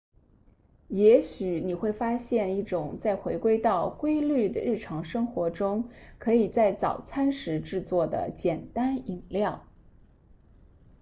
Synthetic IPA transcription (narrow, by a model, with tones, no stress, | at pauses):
jɛ˧˥ɕy˨˩ni˨˩xwe˥˩ɪfa˥ɕjɛ˥˧ni˥˩ʈ͡ʂʊ˨˩˦ŋt͡sa˥˩ɪxwe˧˥ɪkwe˥ɪt̪ɑ˥˩ʊkwe˥ɪly˥˩d̪ə̰˩ɻ̩˥˩ʈ͡ʂʰɑ˧˥ŋʂɤ˥ŋxwɔ˧˥ʈ͡ʂʊ˥ŋkʰɤ˧˥i˨˩t͡sa˥˩ɪt͡sɑ˨˩ʊt͡sʰa˥nʂɻ̩˧˥ʈ͡ʂɻ̩˥˧t͡swɔ˥˩d̪ə̰˩t͡ɕjɛ˨˩nt̪a˥ni˨˩ŋljɑ˥˩ʊ